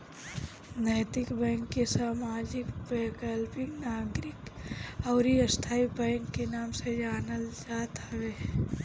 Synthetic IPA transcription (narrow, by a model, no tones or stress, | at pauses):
nəːt̪ɪkbɛ̃ːŋkːesaːmaːd͡ʒɪkbɛːkəlpɪknaːɡɾɪkɔːɾiəst̪ʰaːibɛ̃ːŋkːenaːmsed͡ʒaːnəld͡ʒaːt̪ɦʋe